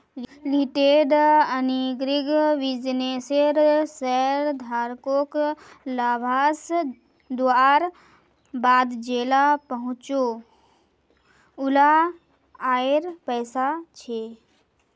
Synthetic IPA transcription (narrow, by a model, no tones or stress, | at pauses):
liʈeːɖəniɡɾɪɡʋɪd͡ʒneːseɾsɛɾd̪ʱaːɾkok | laːbʱaːs | d̪uaːɾ | baːd̪d͡ʒeːlapəɦʊ̃t͡ʃo | ʊla | aːeɾpɛːsat͡ʃʰeː